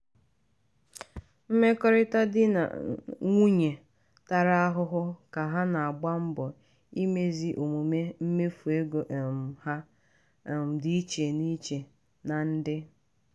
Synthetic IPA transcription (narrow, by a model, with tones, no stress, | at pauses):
m̩˦me˦kɔ˦ɾɪ˦ta˦dɪ˦na̰˨ŋʷu˦ɲe˨ | ta˨ɾa˦a˦ɦʊ˦ɦʊ˦ka˨ɦa˦na˨a˨ɡ͡ba˦m̩˦bɔ˨ | i˦me˦zi˦ʔo˨mu˨me˦m̩˦me˦fu˨e˦ɡo˨ha˦˨ | di˦i˦t͡ʃe˨ni˦t͡ʃe˨ | na˨n̩˦dɪ˦